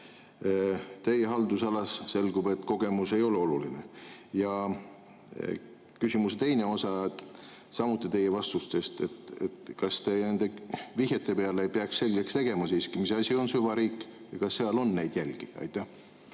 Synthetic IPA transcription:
t̪e̞jeɦɑld̪̥usɑlɑsːe̞lɡube̞t̪ːˑko̞ɡ̥e̞muse̞jo̞leo̞lulinejɑ | kysʲimust̪e̞jne̞o̞sɑ | sɑmut̪ːˑit̪e̞jːevɑst̪ust̪e̞st̪e̞t̪ḛt̪kɑst̪ene̞nd̪̥e̞viɦjet̪ːˑe̞peɑleejpeɑksse̞lʲɡ̥ekst̪e̞ɡ̥e̞mɑsiːskimisɑsʲio̞nsyvɑɾiːkˑːjɑkɑsːeɑlo̞nːe̞jd̪̥jælʲɡ̥iɑ̰jt̪ːˑæh

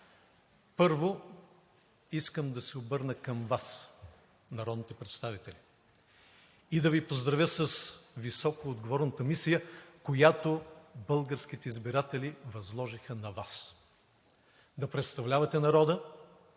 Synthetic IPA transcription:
pɤɾvo | iskəmd̪ɐsɛobɤɾnəkɐmvas | nɐɾɔd̪nit̪ɛpɾɛt̪st̪avit̪ɛli | id̪ɐvipozd̪ɾɐvʲjəsəsvisɔkoːd̪ɡovɔɾnət̪əmisijəkojat̪obɤlˠɡəɾskit̪ɛizbiɾat̪ɛlivɐzlˠɔʒixənɐvas | d̪ɐpɾɛt̪st̪ɐvlʲavɐt̪ɛnɐɾɔd̪ə

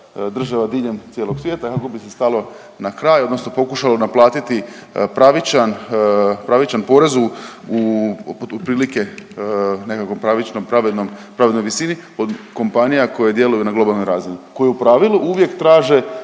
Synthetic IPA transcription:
d̪r̩ʒaʋad̪iʎe̞mt̪jeːlˠo̞ɡsʋjeːt̪akako̞bise̞st̪alˠo̞ | nakɾaːjo̞d̪no̞sno̞po̞kuʃalonaplˠaːt̪it̪ipɾaʋit͡ʃan | pɾaʋit͡ʃanpo̞ɾe̞zuu | upɾiːlike̞ | ne̞kakompɾaʋit͡ʃnompɾaʋed̪nompɾaʋed̪no̞jʋisinio̞d̪ko̞mpanijako̞jed̪je̞lujunaɡlo̞balˠnojɾaːzinuko̞jeupɾaʋilˠuʔuʋje̞kt̪ɾaːʒe̞

